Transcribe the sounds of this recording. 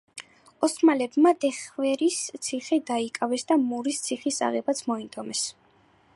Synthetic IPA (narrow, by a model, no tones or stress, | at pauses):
ɔsmalɛbmad̪ɛχvɛɾist̪sʰiχɛd̪aikʼavɛsd̪amuɾist̪sʰiχisa̰ʁɛbat̪sʰmɔit̪ʼɔmɛs